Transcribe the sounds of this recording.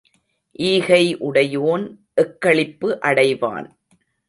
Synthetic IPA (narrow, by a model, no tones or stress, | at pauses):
ʔiːɣɐɪʔʊɽɐjoːn | ʔɛkːɐɭɪpːɯʔɐɽɐɪʋa̰ːn